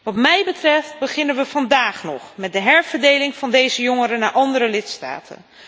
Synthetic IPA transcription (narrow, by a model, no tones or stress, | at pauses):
ʋɑtmɛjbətrɛft̚bəχɪnənʋəv̥ɑndaːχnɔ̰χmɛt̚dəɦɛɹvəɹdejlɪŋvɑndejzəjoŋəɾənaːɹʔɑndəɾəlɪtsta̰ːtʰə̰n